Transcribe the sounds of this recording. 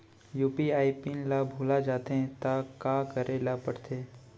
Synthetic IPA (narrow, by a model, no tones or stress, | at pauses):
juːpiaːipinlabʱuːlad͡ʒaːt̪eɛ̃t̪akaːkɐɾʔelapɐɽ̤t̪eː